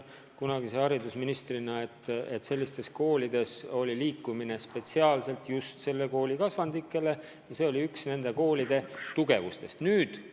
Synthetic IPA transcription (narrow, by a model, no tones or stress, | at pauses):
kunɑɡ̥iseɑɾid̪usminist̪rinɑet̪ːe̞t̪ːse̞lːist̪e̞sko̞ːlid̪̥e̞so̞lʲiliːkːˑumine̞spe̞t̪siɑːlse̞lt̪ˑjust̪se̞lːe̞ko̞ːlikɑsvɑnd̪ikːˑe̞le̞ | jɑse̞o̞lʲiyksne̞nd̪̥e̞ko̞ːlid̪̥e̞t̪uɡ̥e̞vust̪e̞st̪nyːd̪̥